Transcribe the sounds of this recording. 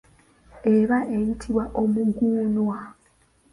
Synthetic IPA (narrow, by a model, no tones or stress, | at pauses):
e̞βaʔejitʰiβwaʔo̞muɡuːnwa